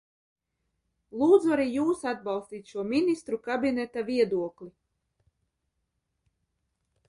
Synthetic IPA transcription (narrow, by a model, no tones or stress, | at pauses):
lˠuːd̪zuaɾiːjuːsad̪̚bɑlˠst̪iːt̪ʲʃuɔmʲinist̪ɾukabinɛt̪aviɛd̪uɔklʲi